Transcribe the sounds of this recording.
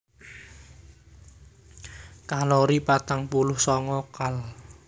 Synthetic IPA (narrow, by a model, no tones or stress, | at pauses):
kaloɾipat̪aŋpulʊhsɔŋɔkal